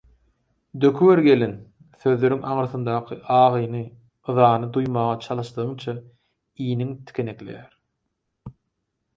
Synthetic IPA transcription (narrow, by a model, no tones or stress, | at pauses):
d̪økʰyweɾɡe̞len | θø̞ðlø̞ɾyŋɑŋɾɯθɯnd̪ɑːqʰɯʔɑːʁɯjnɯ | ɯðɑːnɯd̪ujmɑːʁɑt͡ʃʰɑlˠɯʃd̪ɯɯŋt͡ʃʰɑ | iːniŋt̪ʰi̥kʰʲene̞kle̞̰jæɾ